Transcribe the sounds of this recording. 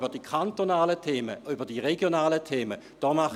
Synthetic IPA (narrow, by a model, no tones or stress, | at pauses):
bɐdiːkʰantonaːlətʰeːməybɐdiːʁeɡjonaːlətʰeːmə | d̥ɔːmaχ